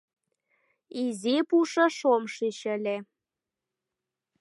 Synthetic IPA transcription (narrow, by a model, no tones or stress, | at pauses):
izipuʃɤ̆ʃomʃiɕə̆lʲe